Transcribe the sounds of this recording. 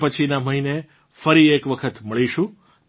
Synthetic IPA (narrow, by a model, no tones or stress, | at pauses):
pət͡ʃʰinaməɦine | fəɾiekʋəkʰət̪məɭiʃũ